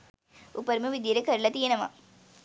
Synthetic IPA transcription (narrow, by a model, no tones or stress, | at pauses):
upːɐɾmɯʋid̪jɐɾekɐɾɭɐt̪ijɐnɐma̰